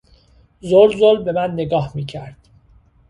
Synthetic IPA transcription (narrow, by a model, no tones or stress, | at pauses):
zoɾzolbe̞mænːeɡɒːhmiːcʰæɾd̪̥